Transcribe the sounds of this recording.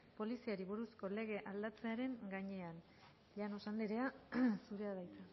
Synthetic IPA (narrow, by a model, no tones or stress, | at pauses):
po̞lisiaɾiβuɾusko̞le̞ɣ̞e̞ʔald̪at͡se̞aɾe̞ŋɡaɲe̞an | ʎano̞sand̪iɾe̞asuɾe̞aðajt̪a